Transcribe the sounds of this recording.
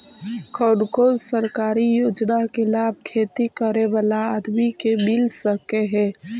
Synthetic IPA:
kʰəɖkozsəɾkaɾijoːd͡ʒnakelab̚ʱkʰet̪ikəɾeʋalaːd̪mikebilsəkeɦɛ̃

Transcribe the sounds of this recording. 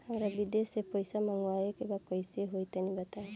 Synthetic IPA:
hamɾabid̪esepɔjsamaŋwajekebakɔjsieɦojt̪anibat̪a

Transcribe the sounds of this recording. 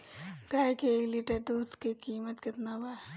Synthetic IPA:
ɡaːkeliːʈəɾd̪uːt̪kekiːmət̪kɪt̪naba

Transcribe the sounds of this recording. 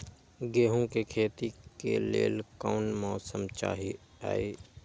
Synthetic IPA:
ɡeːɦõkekʰeːt̪ikḛlḛːlkaːnmɔːsəmt͡ʃa̰ːɦi | a̰ːeː

